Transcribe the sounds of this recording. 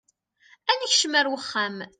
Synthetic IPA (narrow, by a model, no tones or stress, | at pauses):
ænəçʃəməɾwəχːæm